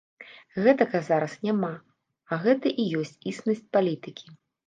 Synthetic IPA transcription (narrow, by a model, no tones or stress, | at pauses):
ɣɛt̪ɐɣɐzaɾɐsnʲama | ɐɣɛt̪ɐʔijɔsʲt͡sʲisnɐsʲt͡sʲpalʲit̪ɨkʲi